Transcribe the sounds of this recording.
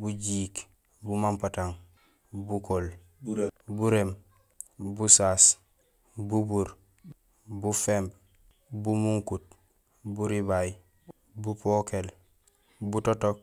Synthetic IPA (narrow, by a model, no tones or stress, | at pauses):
buɟiːk | bumampataŋ | bukol | buɾem | busaːs | bubuɾ | bufeːmb | bumuŋkut̚ | buɾibaj | bupokel | butotok̚